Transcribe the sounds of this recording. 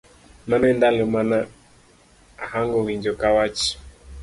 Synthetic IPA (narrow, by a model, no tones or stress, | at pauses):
nãnɛndalɛmana | ahaŋɡɔwiɲd͡ʒɔkawat͡ʃi̥